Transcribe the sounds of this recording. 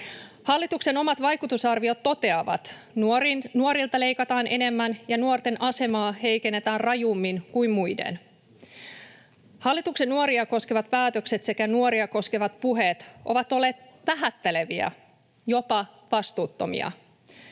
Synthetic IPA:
hɑlːit̪ukse̞no̞mɑt̪ʋɑjkut̪usɑrʋio̞t̪ːo̞t̪e̞ɑʋɑ̰t̪ | nuoɾilt̪ɑle̞jkɑt̪ɑːnʔe̞ne̞mːænjɑnuort̪e̞nʔɑse̞mɑːhe̞jke̞nːe̞t̪æːrrɑjumːinkujmmujdḛn | hɑlːit̪ukse̞nːuoɾiɑko̞skeʋɑt̪pæːt̪økse̞t̪se̞kænuoɾiɑko̞skeʋɑt̪̚puɦet̪ʔo̞̰ʋɑt̪o̞lːe̞ːt̪ʋæɦæt̪ːele̞ʋiæ̰ | jo̞pɑʋɑst̪uːt̪ːo̞̰mḭɑ̰

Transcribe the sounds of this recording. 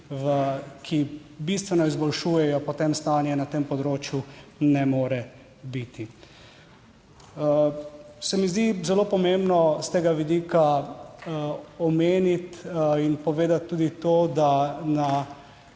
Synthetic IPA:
ʋəkʰibist̪ʋɛnɔizbɔlʃuːjɛjɔpɔt̪emst̪aːnjɛnat̪eːmpɔd̪ɾoːt͡ʃjunɛmoːɾɛ | bit̪i | sɛmizd̪izɛloːpɔmembnɔst̪eːɡaʋid̪iːka | ɔmeːnit̪inpɔʋeːd̪at̪ːuːd̪it̪oːd̪ana

